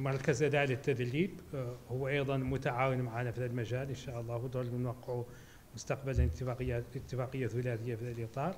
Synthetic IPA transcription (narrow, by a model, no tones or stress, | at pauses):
mɑɾˤkazʔad̪aːlɪt̪ːad̪liːbhʊwːaʔɑjd̪ˤɑnmʊt̪aʕaːwɪnmaʕaːnafid̪ad̪lmaʒaːlʔənʃaːʔɑlˤːɑːhwd̪ulnwɑqːəʕu | mʊst̪ɑqbaljat̪ːɪfaːqəjːaθʊlaːt̪ɪjːafid̪alʔit̪ˤɑːɾˤ